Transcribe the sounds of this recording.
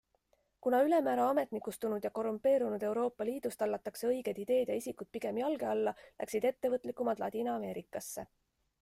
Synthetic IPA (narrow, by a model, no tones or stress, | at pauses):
kunɑyle̞mæːɾɑɑme̞t̪nikːust̪unud̪̥jɑko̞rumpˑe̞ːɾunud̪̥e̞wɾo̞ːpːˑɑliːd̪̥ust̪ɑlːɑt̪ːˑɑkse̞ɤ̞jɡ̥ed̪id̪̥e̞ːd̪̥jɑisʲikut̪̚piɡ̥e̞mjɑlɡe̞ɑlːɑlæ̰ksid̪̥e̞t̪ːe̞vɤt̪ːˑlikːˑumɑt̪lɑ̰t̪ʲiːnɑːme̞ːɾikːˑɑsːe̞̰